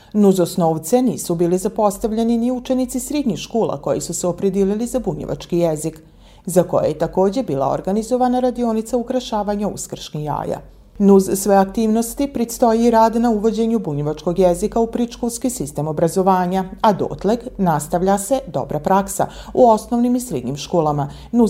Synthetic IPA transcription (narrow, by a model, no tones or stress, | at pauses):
nuzosnoːʋt̪se̞niːsubiːlizapo̞st̪aʋʎeniniut͡ʃe̞nit̪sisɾed̪ɲixʃkoːlˠa̰ko̞jḭsuseo̞pɾed̪ililizabuɲḛʋa̰t͡ʃkijezik | zako̞̰jḛjet̪ako̞ːd͡ʑe̞biːlˠa̰o̰ɾɡanizo̞ʋanaɾad̪io̞nit̪saukɾaʃaːʋaɲaṵskr̩ʃnija̰ːja̰ | nuzsʋeakt̪iːʋno̞st̪ipɾist̪o̞jiɾaːd̪nauʋo̞d͡ʑe̞ɲubuɲeʋat͡ʃko̞ɡjezikaupɾiʃkolˠskisist̪emo̞bɾazo̞ʋaːɲaad̪o̰ːt̪leɡnast̪aʋʎase̞d̪o̰bɾapɾaksa̰ | uo̞sno̞ʋnimisɾed̪ɲimʃko̞ːlama | nu